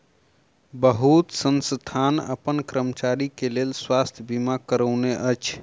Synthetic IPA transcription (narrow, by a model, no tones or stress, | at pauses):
bəɦut̪sənst̪ʰanə̰pənkɾəmt͡ʃaɾikelelswast̪ʰjəbimakəɾəʊneʔət͡ʃʰ